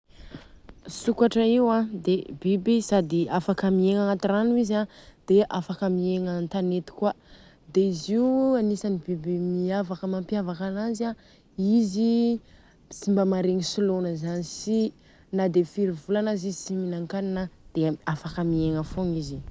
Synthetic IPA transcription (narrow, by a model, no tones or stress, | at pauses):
sukaʈ͡ʂəiwãd̪ebibisad̪iafakəmieŋaŋat̪iranuizad̪̥eʔafakəmieŋant̪anet̪i̥kwa | d̪eiziuanisanibibimiavakəmampiavakanaza | izi | t͡simbəmaɾeŋisulonəzanisi | nad̪efiɾivulanazizisiminaŋkaninəd̪̥eafakəmieŋəfoŋizi